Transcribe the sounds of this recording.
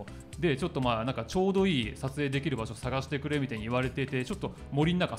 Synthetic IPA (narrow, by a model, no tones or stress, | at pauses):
d̪e̞t͡ɕo̞t̪ːo̞maːnãŋkat͡ɕo̞ːd̪o̞iːsat͡sɨe̞ːd̪e̞kʲiɾɯ̟baɕo̞saɡaɕi̥t̪e̞kɯ̟ɾe̞mʲit̪aɲ̟iiβaɾe̞t̪e̞it̪e̞t͡ɕo̞t̪ːo | mo̞ɾʲinːaka